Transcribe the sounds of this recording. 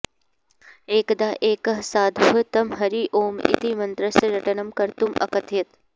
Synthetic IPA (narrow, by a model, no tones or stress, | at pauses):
eːkd̪aːʔeːkɐɦsaːd̪ʱuɦɐt̪ɐmɦɐɾiːʔoːmḭt̪imɐnt̪ɾɐsɾɐʈɐnɐmkɐɾt̪umʔɐ̰kɐt̪ʰet̪